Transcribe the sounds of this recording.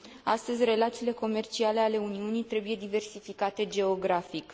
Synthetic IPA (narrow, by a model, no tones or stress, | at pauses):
ast̪əzʲre̞lat̪siːle̞ko̞me̞rt͡ʃiale̞ale̞uniunijt̪ɾe̞buje̞d̪ive̞rsifikat̪e̞d͡ʒe̞o̞ɡɾafik